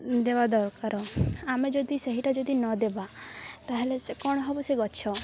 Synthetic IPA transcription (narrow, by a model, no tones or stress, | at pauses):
d̪ebad̪ɔkaɾɔamed͡ʒɔd̪iseɦiʈad͡ʒɔd̪inɔd̪ebat̪aɦelesekɔɽ̃ɔɦɔbɔseɡɔʃʰɔ